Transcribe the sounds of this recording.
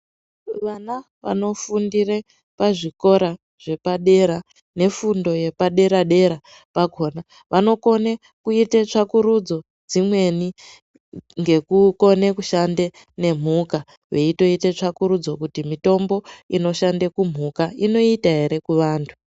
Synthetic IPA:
ʋana | ʋa̰no̞fundire | paʐiko̞ɾa | ʐ̥e̞paɗe̞ɾa | ne̞fundo̞je̞paɗe̞ɾaɗe̞ɾa | paɡʱo̞ːna | ʋʔano̞ko̞ne | kuitet͡ʂakuɾud͡zo̞ | d͡zimwe̞ni | ŋɡe̞kuko̞ne̞kuʃande̞ | ne̞m̤uka | ʋe̞ito̞itet͡ʂakuɾud͡zo̞kutimito̞mbo̞ino̞ʃandekum̤ukaino̞itaɦe̞ɾe̞kuʋaːntʰu̥

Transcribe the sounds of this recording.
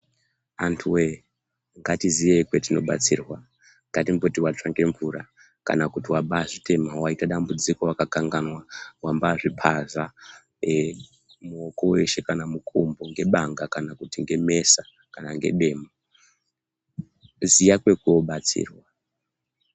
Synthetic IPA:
antʰuwe | ŋɡatizijekwetino̞ɓa̰t͡sḭrwa | ŋɡatimbotiwat͡ʂaŋɡe̞ɱvuɾa | ka̰nakutiwabaːʐite̞mawaitaɗambud͡ziko̞wakakaŋɡanwawambaːʐipʰaza | muoko̞we̞ʃe̞kanamukʰombo̞ŋɡe̞ɓaŋɡakanakutiŋɡe̞me̞sa | kanaŋɡe̞̰ɗe̞ːma | zijakwe̞kuo̞ɓat͡sḭːrwa

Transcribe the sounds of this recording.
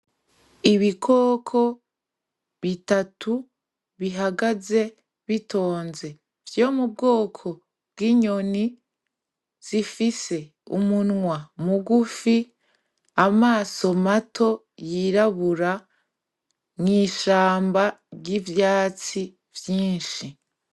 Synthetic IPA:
iβikʰoːkʰo̞ | βitatʰu | βiɦaɡaze̞ | βitʰo̞ːnze̞ | v̥jo̞ːmub̚ɡo̞ːkʰo̞ | b̥̚ɡiɲoni | z̥ifise̞ | ṵmunŋwamuɡufi | amaːso̞matʰo̞ | jiɾaβuɾa | nŋiːʃaːmbaɟivjaːt͡si | vjiːnʃi

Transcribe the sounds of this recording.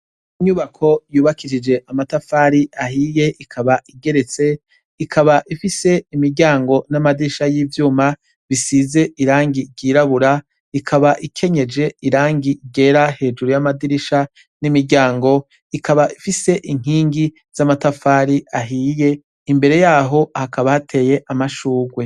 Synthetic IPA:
iɲuβakʰo̞juːβakiʃid͡ʒe̞ʔamatafaːɾiʔaɦiːje̞ʔikʰaβaʔiɡe̞ɾe̞t͡se̞ | ikʰaβaʔifise̞imiɾɟaːŋɡo̞namadiɾiʃajiːvjuːma | βisize̞ʔiɾaːŋɡiɟiːɾaβuɾa | ikʰaβaʔikʰe̞ɲe̞d͡ʒe̞iɾaːŋɡiɡe̞ːɾahe̞ːd͡ʒuɾujamadiɾiʃa | nimiɾɟaːŋɡo̞ | ikaβaʔifise̞ʔiŋ̥iːŋɡi | z̥amatafaɾiaɦiːje̞ | imbe̞ɾe̞jaːɦo̞hakaβahatʰe̞ːje̞ʔamaʃuːɡwe̞

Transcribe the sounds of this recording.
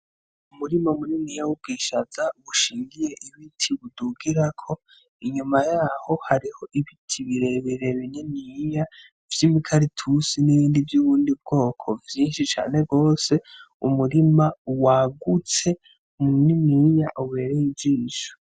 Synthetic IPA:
umuɾimamuniniːjawub̚ɡiːʃazaβuʃiːŋɡije̞ʔiβitʰiβuduɡiɾakʰo̞ | iɲumajaːho̞haɾiho̞ʔiβitʰiβiɾe̞βiɾe̞βinimiːja | vjimikʰaɾitʰusiniβiːndivjuːβuːndib̚ɡo̞ːkʰo̞vjiːnʃit͡ʃa̰ːne̞ɡo̞ːse̞ | umuɾimawaɡut͡se̞ | muniniːjaʔuβe̞ːɾejid͡ʒiːnʃu̥

